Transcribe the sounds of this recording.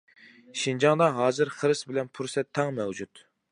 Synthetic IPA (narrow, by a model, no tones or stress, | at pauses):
ʃind͡ʒɑŋd̪ɑɦɑːzɨɾχəɾɨsbɪlɛnpʰuɾsɛt̪ʰːɑŋmɛwd͡ʒut̪